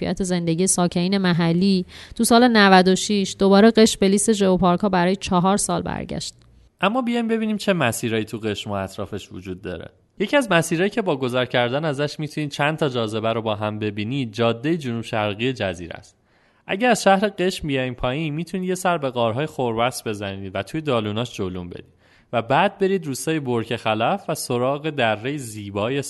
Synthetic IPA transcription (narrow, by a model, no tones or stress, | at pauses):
fḭʔæt̪ʰe̞ze̞nd̪e̞ɟije̞sɒːcʰe̞niːne̞mæɦælːiːt̪ʰusɒːle̞nævæd̪o̞ʃiʃd̪̥o̞bɒːɾe̞ɢe̞ʃmbe̞liːst̪e̞ʒevopʰɒːɾkʰɒːbæɾɒːjet͡ʃʰɒɦɒːɾsɒːlbæ̰ɾɟæ̰ʃt̪̚ | ʔæmːɒːbijɒjmbe̞biːniːmt͡ʃʰe̞mæsiːɾɒːjiːt̪ʰuɣe̞ʃmoæt̪ʰɾɒːfe̞ʃvod͡ʒuːd̪̚ːɒ̰ːɾḛ | je̞cʰiæzmæsiːɾɒːjicʰe̞bɒːɡo̞zæɾcʰæɾd̪ænæzæʃmit̪ʰuniːd̥̪̚t͡ʃʰænt̪ʰɒːd͡ʒɒːze̞bæɾobɒːɦæmbe̞biːniːd̪̚d͡ʒɒːd̪ːe̞jed͡ʒonubʃæɾɣijed͡ʒæzḭːɾæ̰st̪̚ | ʔæ̰ɟææzʃæhɾeɢe̞ʃmbijɒjiːmpʰɒːjinmiːt̪ʰunid̪je̞sæɾbe̞ɣɒːɾɦɒːjexoɾbæsbe̞zæniːd̪væt̪ʰuje̞d̪ɒːluːnɒːʃd͡ʒolumbe̞̰d̪iː | væbæːd̪̚be̞ɾiːd̪ɾuːst̪ɒːjeboɾcʰe̞xælæfvæso̞ɾɒːɣe̞d̪ærːejeziːbɒːje